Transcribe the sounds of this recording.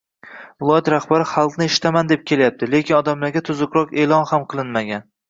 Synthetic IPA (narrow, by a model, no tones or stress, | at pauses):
vɪlˠɒjat̪ɾahbaɾɪχalˠqnɪeʃɪ̥t̪ʰamand̪e̞p̚kʲʰe̞lajap̚t̪ʰɪle̞kʲʰɪnɒd̪amlaɾɡʲat̪ʰʊzʊkɾɒqe̞lˠɒnhamqʰɨlˠɪnmaɡʲan